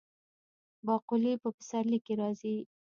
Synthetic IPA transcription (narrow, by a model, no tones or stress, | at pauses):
bɑqʊlipəfɪ̥saɾlikːeɾɑzi